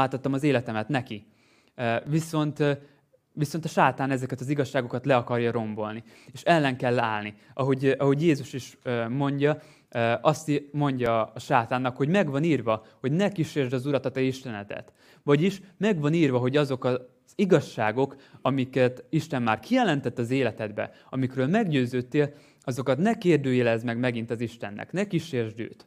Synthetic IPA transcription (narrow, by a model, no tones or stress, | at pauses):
aːt̪ɒt̪ːɒmɒzeːlɛt̪ɛmɛt̪nɛki | viso̞nt̪ | ʋiso̞nt̪ɒʃaːt̪aːnɛzɛkɛt̪ɒziɡɒʃːaːɡo̞kɒt̪lɛɒkɒrjɒɾo̞mbo̞lni | eːʃɛlːɛŋkɛlːaːlni | ɒɦo̞ɟɒɦo̞ɟjeːzuʃiʃmo̞ɲɟɒ | ʔɒst̪mo̞ɲɟɒːʃaːt̪aːnːɒkho̞ɟmɛɡvɒniːrvɒho̞ɟnɛkiʃeːrʒd̪ɒzuɾɒt̪ɒt̪ɛiʃt̪ɛnɛt̪ɛ̰t̪ | vɒɟiʃmɛɡʋɒniːrvɒɦo̞ɟɒzo̞kɒ | z̥iɡɒʃːaːɡo̞kɒmikɛt̪iʃt̪ɛmːaːrkʰijɛlɛnt̪ɛt̪ːɒzeːlɛt̪ɛd̪bɛ̰ | ɒmikɾøːlmɛɡɟøːzøːt̪ːeːl | ɒzo̞kɒt̪nɛkeːrd̪øːjɛlɛzmɛɡmɛɡint̪ɒziʃt̪ɛnːʔɛ̰knɛkiʃeːrʒd̪ø̰ːt̪